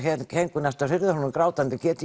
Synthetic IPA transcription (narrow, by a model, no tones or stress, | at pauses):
hɛhɛŋkʏnɛst̪arɪɾðʏhɔnʏmkɾaːwt̪ant̪ɪcɛːt̪ɪ